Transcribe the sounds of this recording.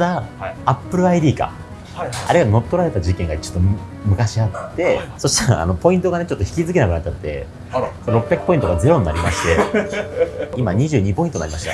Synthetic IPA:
d̪aːpːɯ̟ɾɯ̟aid̪ʲiːka̰ | a̰ɾeɡano̞t̪ːo̞ɾaɾe̞t̪ad͡ʑikẽ̞ŋɡait͡ɕot̪ːo | mɯ̟kaɕiat̪ːe̞so̞ɕi̥t̪aɾa̰ːno̞po̞ĩnt̪o̞ɡane̞t͡ɕo̞t̪ːoçi̥kʲizɨk̬e̞nakɯ̟nat̚ːt͡ɕːat̪ːe̞̰ | soɾo̞pːʲjakɯ̟pːo̞ĩt̪oɡad͡ze̞ɾo̞ɲ̟inaɾʲimaɕi̥t̪e̞ | imaɲ̟iʑɨ̟ːɲ̟ipõ̞ĩt̪onaɾʲimaɕi̥t̪a

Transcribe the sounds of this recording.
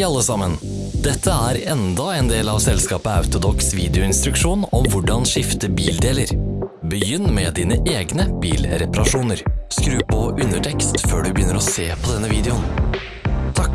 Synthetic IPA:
ɑlːəsɑmːən | d̪̥ɛt̪ʰːəæːɾɛnd̪ɑɛːnd̪eːlɑʋsɛlskɑːpəɑ̰ʉt̪ʊd̪ɔksʋiːd̪ɛʊɪnst̪ɾʉkʂuːnɔmʋʊɖɑnʂɪft̪əbiːld̪eːləɾbəjʏnːmɛd̪iːnəʔeːɡnəb̥iːlɾɛpɑɾɑʂuːnəɾskɾʉːpʰɔʔʉnəʈʰɛkst̪føːɖʉbəjʏnːəɾɔseːpʰɔd̪ɛnːəʋiːd̪ɛʊn | t̪ʰɑ

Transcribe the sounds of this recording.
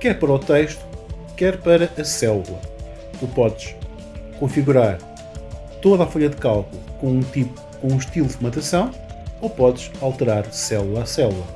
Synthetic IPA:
kɛɾpɐɾɔt̪ejʃt̪u̥ | kɛɾpɐɾɐʔɐsɛlˠulˠɐ | t̪upɔðʃ | kõfiɣuɾaɾ | t̪oðafoʎɐðɨkalˠkulˠukõũt̪ip | kõũʃt̪ilˠud̪mɐ̃t̪ɐsɐ̃w̃opɔðʃalˠt̪ɨɾaɾsɛlˠulˠasɛlˠulˠɐ

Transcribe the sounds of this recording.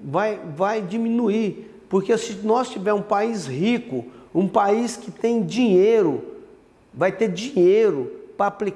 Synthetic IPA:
vajvajd͡ʒimĩnui | poɾkesɪnɔst͡ʃivɛɾũpaishikʊũpaiskɪt̪ẽj̃d͡ʒĩɲejɾʊ | vajt̪eɾd͡ʒĩɲejɾʊpɾɐːplik

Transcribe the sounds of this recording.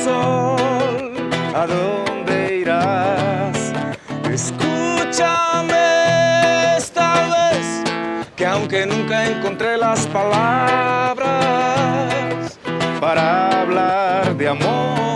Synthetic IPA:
so | l | aðond̪eiɾa | s | eskut͡ʃame | est̪aβeskeawŋke̞nũŋkaeŋko̞nt̪ɾelaspalaβɾa | s | paɾaβlaɾðeamo

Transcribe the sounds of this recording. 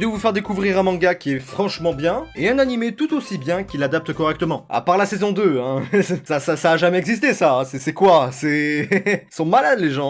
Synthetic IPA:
d̪əvufɛʁd̪ekuvʁiʁɛ̃mɑ̃ɡakʲiɛfχɑ̃ʃmɑ̃bjɛ̃eɛ̃nanimet̪ut̪osibjɛ̃kʲilːad̪ap̚t̪əkɔʁɛk̚t̪əmɑ̃a̰paʁlasezɔ̃d̪øɛ̃sasasaːʒamɛɛɡzist̪esãsɛsɛkwasɛ | sɔ̃malad̪leʒɑ̃

